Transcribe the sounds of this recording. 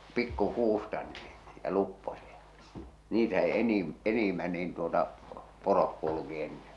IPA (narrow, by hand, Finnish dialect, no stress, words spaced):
pikːukuːstɑ niː jɑ lupːosiɑ niːtæ se enim enimːæ niːn tuotɑ porok kulŭki enːen̥